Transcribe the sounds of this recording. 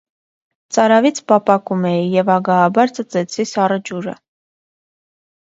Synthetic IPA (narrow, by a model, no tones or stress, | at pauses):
t͡sɑɾɑvit͡sʰpɑpɑkumɛijɛvɑɡɑːbɑɾt͡sət͡sɛt͡sʰisɑrəd͡ʒuɾə̰